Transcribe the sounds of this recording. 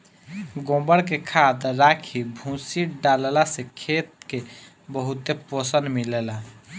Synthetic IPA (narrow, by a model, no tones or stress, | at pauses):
ɡõbəɽkekʰad̪ɾakʰibʱũsiɖallasekʰet̪̚ke | bəɦut̪eposənmilela